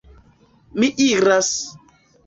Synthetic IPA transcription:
miʔiɾas

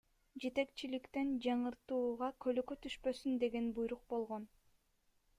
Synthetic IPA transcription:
d͡ʒe̞t̪e̞kt͡ʃilikt̪end͡ʒɑɴɯɾt̪uːʁɑkʰø̞løkøt̪ʰyʃpø̞synd̪e̞ɡe̞nbujɾuq̚bo̞lˠʁo̞n

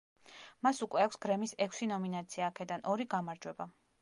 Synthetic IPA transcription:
masukʼwɛakʰʷsɡ̥ɾɛmisɛkʰʷsinɔminat̪sʰiaːkʰɛd̪anɔɾiɡamaɾd͡ʒwɛba

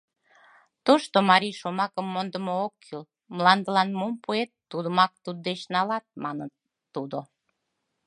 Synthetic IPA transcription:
t̪oʃt̪omɑɾijʃomɑkəmːond̪əmookʰːyl | mlɑnd̪əlɑnmumpuet̪ːud̪əmɑk̚t̪ud̪̚d̪et͡ɕnɑlɑt̪̚mɑnət̪ː | ud̪o

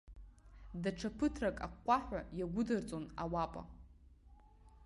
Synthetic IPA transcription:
daʈ͡ʂʰapʰɨtʰrakʼakʷʼːaħʷᶣajaɡʷʊdɨrt͡sʼonawapʼa̰

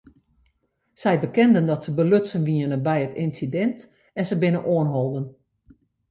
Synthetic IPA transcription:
sɛjbəkɛndəndɔtsəbəløtsənʋiənənbɛjətɪnsidɛnt | ɛnsəbɪnənʔoənɦɔlˠdən

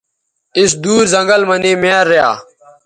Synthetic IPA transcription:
ɪsd̪uːɾzəŋɡəlməniːmeːɾːeja̰ː

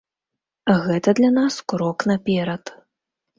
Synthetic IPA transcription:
ɣɛt̪ɐd̪lʲanaskɾɔknɐpʲɛɾɐt̪

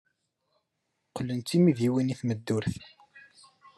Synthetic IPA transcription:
qlːənt̪ːimiðiwiniθməd̪ːʊɾθ

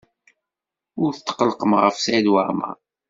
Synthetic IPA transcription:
ʊɾθt̪ːə̥qələqəmʁə̰fsʕid̪wəʕma̰

